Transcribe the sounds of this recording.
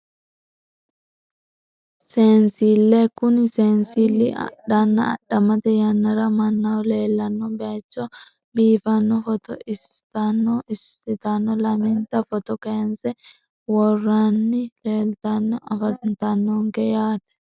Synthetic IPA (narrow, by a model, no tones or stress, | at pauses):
se̞ːnsiːlːekʊnse̞ːnsiːlːɪɐ̰ɗɐnːɐ̰ːɗɐmɐt̪ɛjɐnːɐɾɐmɐnːawle̞ːlːɐnːɔbeːt͡ʃːɔ | biːfɐnːɔfɔt̪ɔʔɪst̪ɐnːɔɪsːɪt̪ɐnːɔlɐmɪnt̪ɐfɔt̪ɔkeːnsɛ | wɔrːanːɪle̞ːlt̪ɐnːɔɐfɐnt̪ɐnːɔŋkɛjaːt̪ɛ̥